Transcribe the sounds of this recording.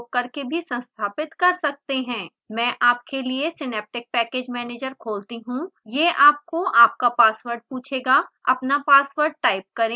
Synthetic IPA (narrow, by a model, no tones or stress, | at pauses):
kːɐɾkebʱisɐ̃nst̪ʰaːpɪt̪kɐɾsɐk̚t̪eɦɛ̃ː | mɛ̃ːʔaːp̚keliesɪnɛːp̚ʈɪk̚pɛːkeːd͡ʒmɛːneːd͡ʒəɾkʰoːlt̪iɦũjeːʔaːp̚koʔaːp̚kapaːsʋəɾɖ̚puːt͡ʃʰeːɡaːɐ̰pnapaːsʋəɾɖ̚ʈaːɪp̚kɐɾẽː